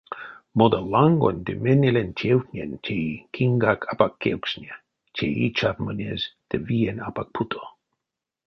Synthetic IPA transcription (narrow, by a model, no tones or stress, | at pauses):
mod̪alaŋɡo̰nʲd̪emenʲelentʲʰewtnʲent͡ʃʰejkʰiŋɡakʰapakʰːewksnʲe | t͡ʃʰejit͡ʃatmənʲezd̪̥əvienapak̚pʰut̪ʰo̥